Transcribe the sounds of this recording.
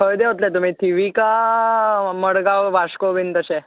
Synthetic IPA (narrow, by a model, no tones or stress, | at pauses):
əjd̪eɦot̪lɛt̪̬um̤ĩt̪ʰiʋika | məɽɡaʋaʂkoʋint̪əse